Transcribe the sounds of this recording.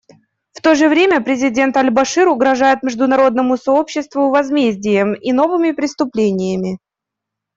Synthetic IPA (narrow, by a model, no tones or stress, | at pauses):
ft̪o̞ʐɨvɾʲemʲəpɾʲɪzʲɪdʲe̞nt̪ɐlʲbɐʂɨɾʊɡɾɐʐajɪt̪̚mʲɪʐd̪ʊnɐɾo̞d̪nəmʊsɐo̞pɕːɪst̪vʊvɐzmʲezʲdʲɪjəmino̞vɨmʲɪpɾʲɪst̪ʊplʲenʲɪjəmʲɪ